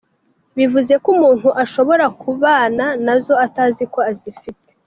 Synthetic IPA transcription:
βivuze̞kumuːn̥huʔaʃo̞βo̞ɾakʰuβaːnanazo̞ataːziko̞azifite

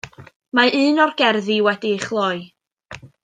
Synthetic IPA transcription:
maʔɨːnɔrɡ̥ɛrðiwɛdiχlˠɔɨ

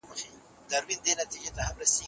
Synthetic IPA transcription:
mɐfɪ | d̪ɐɾbɪnd̪eːnɐt̪ːid͡ʒɛt̪ːɐhɐbɾɐsiː

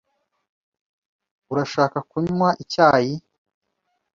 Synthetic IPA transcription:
uɾaʃaːkakuɲwaʔicaːji

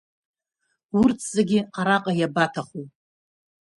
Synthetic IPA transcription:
urtʰzaɡʲɪqaɾaqʼajabatʰaχu

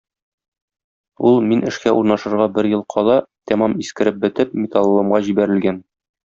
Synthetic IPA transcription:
ulˠminɘ̆ʃkæʔuɾnɑʃɤ̆ɾʁɑbɘɾjɤlˠqʰɒlˠɑt̪æmɑmiskɘ̆ɾɘp̚bɘ̆t̪ɘpmʲɪt̪ɑlˠːɤ̆mʁɑʑibæɾɘ̆lɡæn

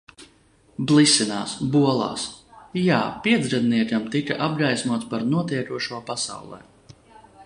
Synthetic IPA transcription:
blˠisina̰ːsbuɔlˠɑ̰ːsjaːpiɛd̪zɾad̪niɛkamt̪ika̰ʔab̚ɡajsmuɔt̪spaɾnuɔt̪iɛkuɔʃuɔpasa̰wlˠɛ̰ː

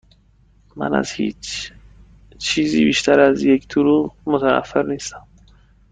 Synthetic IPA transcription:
ma̰na̰zhḭt͡ʃ | t͡ʃʰizibiʃt̪ʰaɾazjekt̪ʰuɾumʊt̪ʰaa̰fːɪɾnest̪am

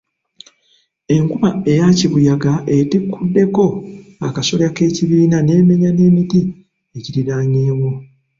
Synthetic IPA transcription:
e̞ŋkumae̞jaciβujaɡaʔe̞tikʰːudːe̞ko̞akaso̞lake̞ːciβiːnane̞ːme̞ɲane̞ːmiti | eciɾiɾaːɲeːmo

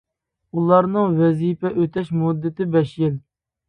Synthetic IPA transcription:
ulˠɑɾnɨŋvɛzipɛʔøt̪ʰɛʃmud̪ːɪt̪ɪbɛʃjɪl

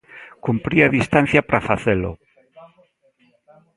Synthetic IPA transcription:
kumpɾiaðist̪an̟θjapɾʔafaθelo̰

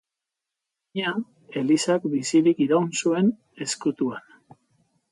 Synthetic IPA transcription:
ɲa | e̞lisakbisiɾikiɾaunsue̞n | e̞skut̪uan

